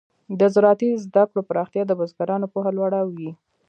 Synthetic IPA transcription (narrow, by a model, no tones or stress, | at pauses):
d̪əzɾɑt̪izd̪akɽopəɾɑxt̪jɑd̪əbazɡaɾɑnopoɦalwaɽawi